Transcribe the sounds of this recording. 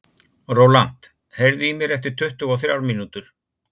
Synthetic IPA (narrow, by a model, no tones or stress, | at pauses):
roːwlan̥t̪ | hejɾðʏimjɛɾɛft̪ɪɾ̥t̪ʰʏht̪ʏɣɔθɾja̰ːwɾminut̪ʏɾ̥